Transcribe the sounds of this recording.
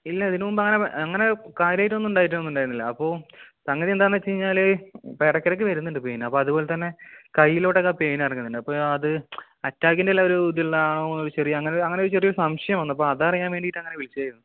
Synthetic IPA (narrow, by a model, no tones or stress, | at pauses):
ilːɐɐðinumumbɐŋːɐne̞ʔɐŋːɐne̞kaːɾjaːjiʈːunonːuɳɖaːjiʈ̬ːunonːuɳɖaːjɾnːilːɐɐpːo̞ːsɐŋːɐðied̪aːnːɐt͡ɕejiɲːaːlɨpeɽɐkʲːɐɾɐk̬ːɨʋɐɾunːiɳɖɨpe̞ːnɐpːoːɐðupo̞ːle̞t̪ɐnːe̞kɐjːilo̞ːɽekːape̞ːnɐrɐŋːunːiɳɖɨɐpːoːɐðɨ | ɐtːaːkʲːindelːaːoɾuud̪ilːaːɳonːoɾut͡ɕerijɐɐŋːɐneɐŋːɐneoɾut͡ɕerijoɾusɐmɕɐjɐmɐnːɐpːoɐðaːrɐjaːnʋe̞ːɳɖiʈːɐŋːɐne̞ʋilit͡ɕːajiɾunːu